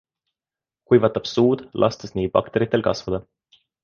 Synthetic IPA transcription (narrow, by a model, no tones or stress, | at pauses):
kujvɑt̪ːˑɑb̥suːd̪̥lʔɑ̰st̪esniːbɑ̰kt̪e̞ɾit̪ːˑe̞lkɑ̰svɑd̪̥ɑ